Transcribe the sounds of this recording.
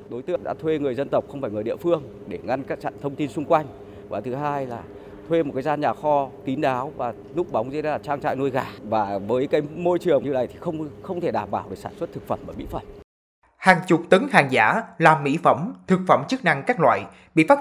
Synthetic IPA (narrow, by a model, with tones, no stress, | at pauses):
ɗo˨˦jt̪ɨ˧˥əɗa̰ː˧˥t̪ʰwe˧ŋɨ˨˩əjzə˧nt̪ə˨˩wk͡p̚xə˧wŋ͡mfaː˧˩jŋɨ˨˩jɗḭ˧˨əfɨ˧əŋ | ɗe˧˩ŋa˧nkaː˦˥k̚t͡ɕa̰˧˨nt̪ʰə˧wŋ͡mt̪i˧nsʊ˧ŋ͡mkwa˧jŋ̟ | vwaː˨˩t̪ɨ˨˦ɦaː˧jlaː˨˩ | t̪ʰwe˧mo˨˩aː˨˦zaː˧nɲaː˨˩xɔ˧ki˨˦nɗaː˨˦wvaː˨˩ | nʊ˦˥k͡p̚ɓa˨˦wŋ͡mzlaː˨˩t͡ɕaː˧ŋt͡ɕa̰ː˧˨jno˧jɣaː˨˩vaː˨˩vəː˨˦jkaː˨˦jmo˧jt͡ɕɨ˨˩əŋmɲɨ˧na̰˧˩jt̪ʰi̥˨˩xə˧wŋ͡mxə˧wŋ͡mt̪ʰe˧˩ɗaː˧˩mɓaː˧˩wɗɨ˨˩saː˧˩nswə˦˥t̚t̪ʰɨ˨˩k̚fə˧˩mʔəː˨˧˩mḭ˧˥fə˧˩m | haː˨˩ŋt͡ɕʊ˨˩k͡p̚t̪ə˨˦ŋhaː˨˩ŋza̰ː˧˥laː˨˩mːḭ˧˥fə˧˩mt̪ʰɨ˨˩k̚fə˧˩mt͡ɕɨ˦˥k̚na˧ŋkaː˦˥k̚lwa̰ː˧˨j | ɓḭ˧˨faː˦˥